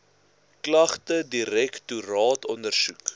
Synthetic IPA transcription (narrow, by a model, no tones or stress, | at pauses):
klɐχtədiɾɛkturɑːtɔndərsuk